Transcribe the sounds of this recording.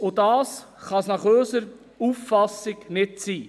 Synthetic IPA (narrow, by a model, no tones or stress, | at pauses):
odɑːsχɑsnɑχøːsəɾ | uːfːɑsɪɡnɪtt͡siː